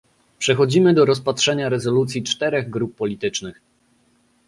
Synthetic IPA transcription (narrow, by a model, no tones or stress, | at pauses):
pʂɛxɔd͡ʑimɘd̪ɔɾɔspatʂɛɲaɾɛzɔlut̪sʲjit͡ʂt̪ɛɾɛɣɡɾupːɔlʲit̪ɘt͡ʂnɘx